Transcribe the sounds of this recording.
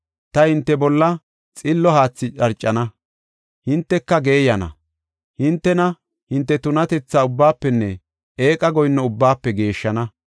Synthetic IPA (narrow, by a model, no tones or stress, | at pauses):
t̪ɐhɪnt̪ːɛbɔlːɐ | t͡sʼɪlːɔhaːt͡sːɪt͡ʃʼɐɾt͡ʃʼːɐnɐ | hɪnt̪ːɛkːɐɡe̞ːjɐnɐ̰ | hɪnt̪ːɛnɐ | hɪnt̪ːɛt̪ʊnɐt̪ɛt͡sːaːʊbːaːpːɛnːɛ | eːkʼɐɡɔjnːɔʊbːaːpːɛɡe̞ːʃːɐnɐ